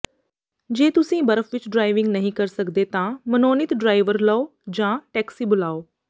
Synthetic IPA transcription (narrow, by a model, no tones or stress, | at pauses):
d͡ʒeːt̪ʊsĩːbəɾəfʰʋɪt͡ʃɖɾaːiʋɪŋɡnəɦĩːkəɾsəkd̪eːt̪ãːmənoːnɪt̪ɖɾaːiʋəɾləoːd͡ʒãːʈɛːksiːbʊlaːoː